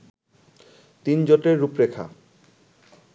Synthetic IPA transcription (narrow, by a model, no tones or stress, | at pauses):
t̪ind͡ʑoʈeɾːupɾekʰa̰